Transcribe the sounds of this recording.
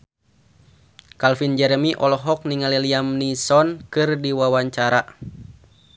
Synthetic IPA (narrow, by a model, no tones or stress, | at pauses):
kalfind͡ʒɛɾəmiʔɔlɔɦɔk̚niŋaliliamnisɔnkɨrdiwawaɲt͡ʃaɾa